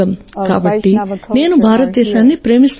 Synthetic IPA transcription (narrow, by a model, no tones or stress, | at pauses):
ɐm | ka̰ːbɐʈːine̞ːnubʱaːɾɐt̪̚d̪ɛːʃaːnːipɾe̞ːmist̪